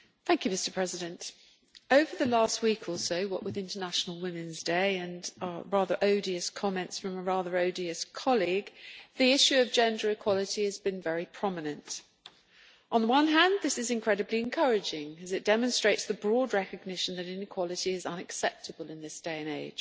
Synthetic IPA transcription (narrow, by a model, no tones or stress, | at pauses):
θæ̃ŋkjʉmɪstə̥˞pʰɹ̥ɛzɨɾɨ̃nt | əʊvə˞ðəlɑˑst̚wiˑkʰɔˑlˠsəʊwʌʔwɪðɪ̃ntənæʃnəl̩ˠwɪ̃mɨ̃nzdeɪɨ̃nɹɑðə˞ʔəʊɾiɨskʰɒmɛ̃ntsfɹʌ̃məɹɑːðə˞əʊdiɨskʰɒlˠiɡðiɪʃʉʌvd͡ʒɛ̃ndə˞ɨkʰw̥ɒlˠətiɨzbɨ̃nvɛɹipʰɹ̥ɒmənɨ̃nt | ʔə̃nðəwʌ̃nɦæ̃nðɪsɨzɨ̃nkʰɹ̥ɛɾɨbliɨ̃nkʰʌɹɨd͡ʒɪ̃ŋɨzɨt̚d̥ɛmə̃nstɹ̥eɪtsðəbɹɔd̚ɹɛkɨɡ̚nɪʃə̃n̩ðɨɾɪ̃nɨkʰw̥ɒlˠɨtiɪzʌ̃nɨksɛp̚tʰəbəlˠɨ̃nðɪsd̥eɪɨ̃neɪd̥ʒ̥